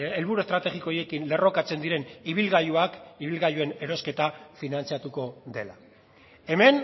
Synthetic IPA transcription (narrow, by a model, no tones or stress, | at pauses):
elβuɾue̞st̪ɾat̪e̞ɣikojekinle̞ro̞kat͡se̞nd̪iɾe̞niβilɣajuakiβilɣajue̞ne̞ɾo̞ske̞t̪afinant͡siat̪uko̞ðe̞la | e̞me̞n